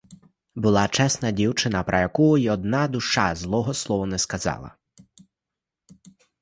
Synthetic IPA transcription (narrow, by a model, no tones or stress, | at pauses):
bʊlˠɑt͡ʃɛsnɐdʲiwt͡ʃɪnɐpɾʔɐjɐkuiɔd̪nɑd̪ʊʃɑzlˠɔɦɔslˠɔʋɔnɛskɐzɑ̰lˠɐ̰